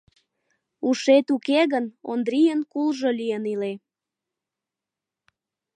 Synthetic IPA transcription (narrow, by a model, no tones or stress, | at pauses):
uʃet̪ukeɣənond̪ɾijənkulʒəlijənile